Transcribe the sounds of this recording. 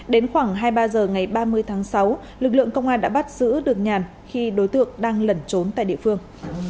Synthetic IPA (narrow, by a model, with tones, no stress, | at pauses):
ɗe˨˦nxwaː˧˩ŋɦaː˧jɓaː˧zəː˨˩ŋa˨˩jɓaː˧mɨ˧əjt̪ʰaː˨˦ŋsa˨˦w | lɨ˨˩k̚lɨ̰˧˨əŋkə˧wŋ͡mʔaː˧nɗa̰ː˧˥ɓt̚z̥ɨ̰˧˥ɗɨ˨˩ək̚ɲaː˨˩n | xi˧ɗo˨˦jt̪ɨ̰˧˨əŋɗaː˧ŋlə˨˩nt͡ɕo˨˦nt̪a̰ː˧˨jɗḭ˧˨əfɨ˧əŋ